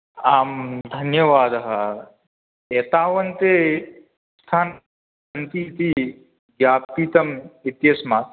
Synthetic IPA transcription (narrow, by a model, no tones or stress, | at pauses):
aːmd̪ʱɐnjɐʋaːd̪ɐɦɐ | eːt̪aːʋɐnt̪e | st̪ʰaːn | ɐnt̪it̪i | ɡjaːpiːt̪ɐmit̪jɐsmaːt̪